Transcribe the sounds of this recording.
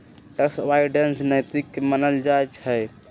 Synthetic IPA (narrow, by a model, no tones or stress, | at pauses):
ʈəsʋaiɖensnəjt̪ikːemənəld͡ʒajt͡ʃhəj